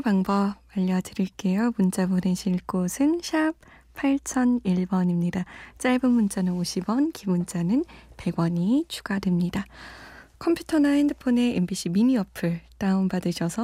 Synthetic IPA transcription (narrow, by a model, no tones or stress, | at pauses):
paŋbʌbmaʎːʌdɯɾiɭk͈e̞jomunt͡ɕ͈aboneɕʰiɭk͈osʰɯnɕʰip | pʰaɭt͡ɕʰʌniɭbʌɲimɲidat͡ɕ͈aɭbɯnmunt͡ɕ͈anɯnoɕʰibʌnkimunt͡ɕ͈anɯnpe̞ɡwʌɲit͡ɕʰu̥ɡ̥adwemɲida | kʰʌmpʰjutʰʌnaindɯpʰone̞embiɕ͈ʰiminiʌpʰɯɭt͈aumbadɯɕʰʌsʰʌ